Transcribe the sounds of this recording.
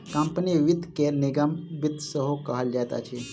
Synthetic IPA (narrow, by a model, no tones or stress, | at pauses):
kãmpəniʋit̪kelniɡamʋit̪səɦokaɦaljat̪a̰t͡ɕʰe